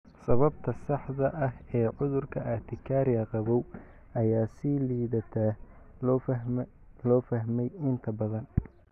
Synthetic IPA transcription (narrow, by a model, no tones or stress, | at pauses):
sɐβɐbt̪ʰɐsɑħðɐʔɐhɛːʕʊðʊrkʰɐʔɐt̪ʰɪkʰaːɾjɐqɑβɔw | ɐjaːsiːliːðɐt̪ʰa | lɔːfɐɦmɛjɪnt̪ʰɐbɐðɐn